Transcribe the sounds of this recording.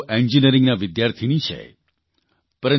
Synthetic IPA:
ʔɛnd͡ʒinəɾĩŋɡnaʋɪd̪jaɾt̪ʰinit͡ʃʰḛ | pəɾə

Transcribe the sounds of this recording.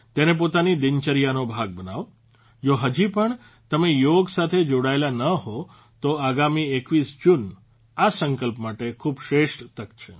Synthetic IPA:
t̪enep̬ot̪anid̪ɪɲt͡ʃəɾijanobʱaɡ̚bənaʋ | d͡ʒoɦəd͡ʒipəɳ | t̪əmejoɡsat̪ʰed͡ʒoɽaelanəɦo | t̪oaɡamiekʋisd͡ʒun | asəŋkəlpmaʈekʰubʃɾeʃʈt̪əkt͡ʃʰe

